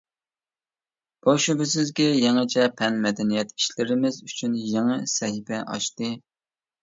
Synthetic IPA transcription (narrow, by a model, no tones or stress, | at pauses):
b̥oʃybɪsɪzɡʲɛjeŋɨt͡ʃʰɛpʰɛnmɛd̪ɛnijɛt̪ʰi̥ʃlɪɾɪmɪzyt͡ʃʰynjeŋɨsɛɦɪfɛʔɑ̰ʃt̪ɨ